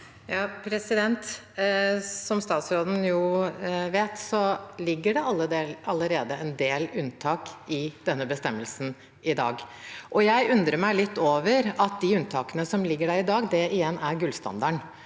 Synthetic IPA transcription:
jɑːpʰɾɛsɪd̪ɛnt̪ | sɔmst̪ɑːt̪sɾoːd̪n̩jʊʋeːt̪sɔlɪɡːəɖɛʔɑlːəd̪eːlɑləɾeːd̪əɛnd̪eːlʉnt̪ʰɑːkɪd̪̥ɛnːəbəst̪ɛmːəlsn̩ | ɪd̪ɑ̰ːɡʔɔjæɪʔʉnd̪ɾəmæɪlɪt̪ːoːʋəɾɑt̪̚d̪ɪʉnt̪ʰɑːkənəsɔmlɪɡːəɖæːɾɪd̪ɑːɡd̪ɛɪjɛnːæɾɡʉlst̪ɑ̰nd̪ɑɳ

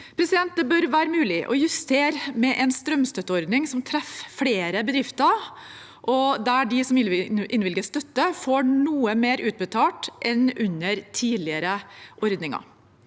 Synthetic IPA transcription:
pʰɾɛsɪd̪ɛnt̪̚d̪əbœɾʋæːɾəmʉːlɪʔɔ̰jʉst̪ʰeːɾmɛʔɛnst̪ɾœmst̪œt̪ːəɔɾd̪nɪŋsɔmt̪ʰɾɛffɽeːɾəbəd̪ɾɪft̪ə | ʔɔd̪æɖɪsɔmʔɪnʋɪlɡəst̪œt̪ːəfoːɳuːəmeːɾʔʉːt̪̚bət̪ʰɑːʈʔɛnʉnːəɾt̪ʰiːlɪəɾəʔɔɾd̪nɪŋɑ̰

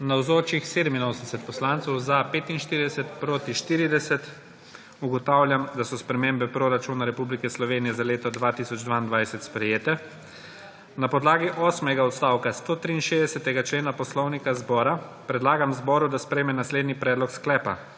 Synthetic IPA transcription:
nawzoːt͡ʃixseːd̪ɛminoːsənd̪ɛsɛt̪̚pɔslaːnt̪sɔwzapeːt̪inʃt̪iːɾid̪ɛsɛt̪pɾoːt̪iʃt̪iːɾid̪ɛsɛt̪ | uɡɔt̪aːwlʲjamd̪asɔspɾɛmeːmbɛpɾoɾat͡ʃuːnaɾɛpublikɛslɔʋeːnijɛzaleːt̪ɔd̪ʋaːt̪iːsɔd͡ʒd̪ʋaind̪ʋajsɛt̪spɾɛjeːt̪ɛ | napɔd̪laːɡiʔɔːsmɛɡaɔt̪st̪aːwkast̪oːt̪ɾiːnʃeːzd̪ɛsɛt̪ɛɡat͡ʃleːnapɔslɔwnikazbɔːɾapɾɛd̪laːɡamzbɔːɾud̪aspɾɛjmɛnasleːd̪nipɾɛːd̪lɔksklɛːpa̰

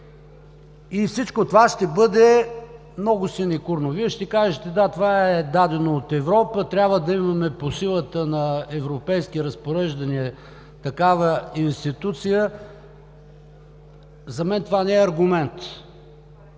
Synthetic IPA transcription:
ifsit͡ʃkot̪ovaʃt̪ɛbɤd̪ɛ | mnɔɡʊsinɛkuɾnoviɛʃt̪ɛkaʒət̪ɛd̪at̪ovaɛd̪ad̪ɛnoːt̪ɛvɾɔpət̪ɾʲabvəd̪ɐimɐmɛposilˠət̪ənɐɛvɾopɛjskiɾɐspoɾɛʒd̪ɐniɛ | t̪ɐkavəinst̪it̪ut̪sijə | zɐmɛnt̪ovanɛɛɐɾɡʊmɛnt̪

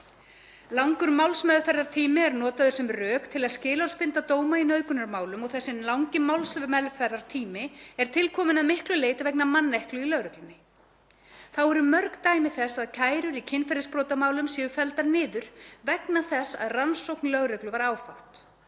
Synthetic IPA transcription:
lawŋkʏɾmawlsmɛðfɛɾðaɾ̥t̪ʰiːmɪɛɾnɔːt̪aðʏɾ̥sɛmrœːkt̪ʰɪlaðscɪːlawlspɪnt̪at̪oːwmainœɥðkʏnaɾmaːwlʏmɔɣθɛsːɪnlawŋcɪmawlsmɛðfɛɾðaɾ̥t̪ʰiːmɪɛɾ̥t̪ʰɪlkʰɔːmɪnaðmɪhklʏleːjt̪avɛknamanːehklʏilœɣɾɛklʏnːɪ | θawɛɾʏmœɾkt̪aːjmɪθɛsaðcʰaːjɾʏɾicʰɪnfɛɾɪspɾɔːt̪amaːwlʏmsɛːʏfɛlt̪aɾnɪːðʏɾ̥vɛknaθɛsːa̰ðransowknlœɣɾœklʏvaɾaːwfawt̪

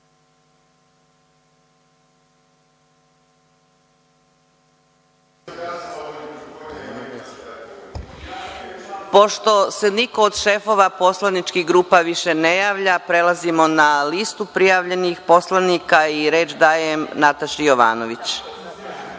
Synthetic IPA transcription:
po̞ʃt̪o̞seniko̞ːd̪ʃefo̞ʋapo̞slˠanit͡ʃkiɣɡɾuːpaʋiʃenejaːʋʎapɾe̞lazimo̞nalist̪upɾijaʋʎe̞nixpo̞slˠanikaiɾe̞ːd͡ʒd̪aːjemnat̪aʃijoʋa̰ːnoʋit͡ɕ

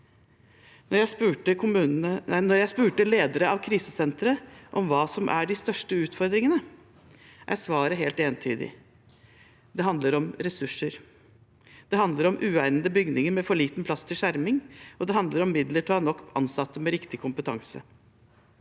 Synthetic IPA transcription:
nɔjæspʉːəkʰʊmʉːnənɔɾjæɪspʉːʈəleːd̪əɾəɑʋkʰɾiːsəsɛnt̪əɾəʔɔmʋɑːsɔmʔæ̰ɖɪst̪œʂʈəʉːt̪fɔɾd̪ɾɪŋənə | ʔæ̰ɾsʋɑːɾəɦeːlt̪eːnt̪ʰyːd̪ɪ̰ | d̪ɛɦɑnd̪ləɾɔmɾɛsʉʂːəɾ | d̪̥ɛhɑnd̪ləɾɔmʔʉːæɪnənd̪əbʏɡnɪŋəɾmɛfɔɭiːt̪npʰlɑst̪ʰɪlʂæɾmɪŋɔd̪ɛɦɑnd̪ləɾɔmːɪd̪ləʈhɑnɔkːɑ̰nsɑt̪ːəmɛɾɪkt̪ɪkʰʊmpət̪ʰɑŋsə̰

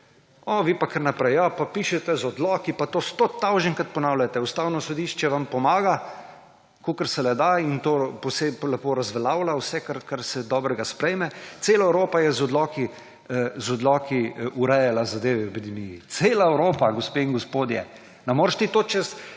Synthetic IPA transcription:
ɔʋiːpakəɾnapɾɛjjapapiːʃɛt̪ɛzɔd̪lɔːkipat̪ost̪ot̪ːawʒənkat̪̚pɔnaːwljat̪ɛust̪aːwnɔsod̪iʃt͡ʃɛʋampɔmaːɡa | kokəɾsɛlɛd̪aint̪oːposeplɛpoɾazʋɛlaːwlawsɛkaɾkaɾsɛd̪ɔːbɾɛɡaspɾɛjmɛt̪seːlaɛwɾoːpajɛzɔd̪lɔːki | zɔd̪lɔːkiʔuɾɛjalazad̪eːʋɛɛpid̪ɛmijit̪seːlaɛwɾoːpaɡospeiŋɡospoːd̪jɛ̰ | nɛmoːɾʃt̪it̪oːt͡ʃɛs

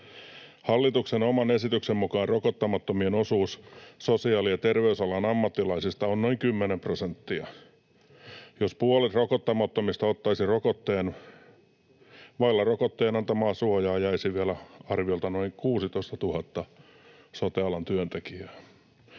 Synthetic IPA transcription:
hɑlːit̪uksenomɑnesit̪yksemmukɑːrrokot̪ːɑmɑt̪ːomienosuːssosiɑːlijɑt̪erʋeysɑlɑnɑmːɑt̪ːilɑisist̪ɑonnoiŋkymːenemprosent̪ːiɑ | jospuolit̪rokot̪ːɑmɑt̪ːomist̪ɑot̪ːɑisirokot̪ːeːn | ʋɑilːɑrokot̪ːeːnɑnt̪ɑmɑːsuojɑːjæisiʋiælæɑrʋiolt̪ɑnoiŋkuːsit̪oist̪ɑt̪uhɑt̪ːɑ | sot̪eɑlɑnt̪yønt̪ekiæː

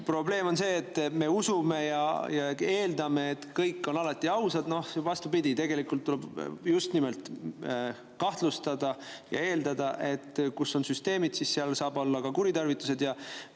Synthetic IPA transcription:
pro̞ble̞ːmo̞nse̞ːt̪ːˑme̞usume̞jɑ̰jɑe̞ːld̪ɑme̞ːt̪kɤjkːˑo̞nɑlɑt̪ːˑiɑwsɑd̪no̞hvɑst̪ubid̪ʲit̪e̞ɡe̞likult̪ːulɛbjust̪nimelt̪ˑ | kɑht̪lust̪ɑd̪ɑjɑ̰e̞ːld̪ɑd̪ɑʔe̞t̪ːkusːo̞nsyst̪e̞ːmid̪̥sisseɑlsɑːbo̞lːɑkɑkuɾit̪ɑrvit̪ːˑu̥se̞d̪̥jɑ

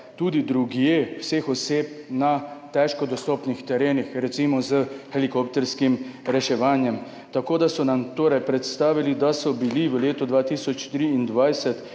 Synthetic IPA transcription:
t̪uːd̪id̪ɾuɡjewsexɔseːp̚nat̪ɛʃkɔd̪ɔst̪ɔːpnixt̪ɛɾeːnixɾɛt̪simɔzəxɛlikop̚t̪ɛɾskimɾɛʃɛʋaːnjɛm | t̪akoːd̪asɔnamt̪oːɾajpɾɛt̪st̪aːʋilid̪asɔbiliʋəleːt̪ɔd̪ʋaːt̪isɔt͡ʃt̪ɾiind̪ʋajsɛt̪

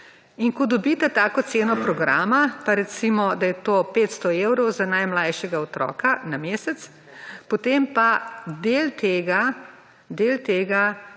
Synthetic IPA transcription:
inkɔd̪ɔbit̪ɛt̪aːkɔt̪seːnɔpɾɔɡɾa̰ːmapaɾɛt̪simɔd̪ajɛt̪oːpeːt̪st̪ɔewɾɔwzanajmlajʃɛɡaot̪ɾɔ̰kanameːsɛt̪s | pot̪empad̪eːlt̪eːɡa | d̪elt̪eːɡa

